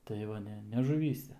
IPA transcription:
tɐɪ ˈʋɐ ˈnʲɛ nʲɛ ʒʊˈʋʲiːsʲɛ

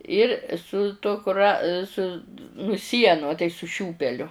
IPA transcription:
ɪr sʊ ˈtuɔ kʊˈrɐ sʊ nʊ ˈsʲiɛnʊ ɐ tɐɪ sʊ ˈʃʲuːpʲɛlʲʊ

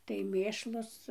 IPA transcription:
tɐɪ ˈmʲeːʃlˠʊs

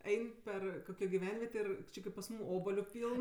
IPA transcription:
ˈɛɪnʲ ˈpʲɛr ˈkoːkʲoː ɡʲɪˈʋʲɛnʲʋʲiɛtʲeː ɪr ˈt͡ʃʲɪ kɐɪp pɐs ˈmuːm ˈoːbɐlʲʊ ˈpʲiːlˠn

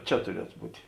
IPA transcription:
ˈt͡ʃʲɛ tʊˈrʲiɛtʊ ˈbuːtʲɪ

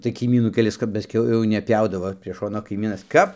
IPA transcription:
tɐɪ kɐɪˈmʲiːnuː kʲɛˈlʲɪs kɐp pɐˈsʲkʲɛʊ jɛʊ nʲɛˈpʲjɛʊdɐʋoː pʲrʲiɛ ˈʃoːnoː kɐɪˈmʲiːnɐs ˈkɐp

